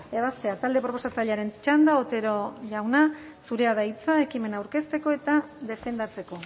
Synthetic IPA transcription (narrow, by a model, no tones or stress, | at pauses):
e̞β̞ast̪e̞at̪ald̪e̞pɾo̞po̞sat͡saʎeaɾe̞nt͡ʃand̪ao̞t̪e̞ɾo̞ʎawna | suɾe̞aðait͡sae̞kime̞nawɾke̞st̪e̞ko̞e̞t̪aðe̞fe̞nd̪at͡se̞ko̞